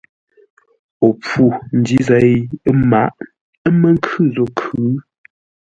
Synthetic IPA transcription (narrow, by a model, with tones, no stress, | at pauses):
o˨pu˨n̩˨di˦za˨˦ma˨˦ʔ | ə˦mə˦ŋ̩˦kʰʉ˦˨zo˨kʰʉʉ˨˦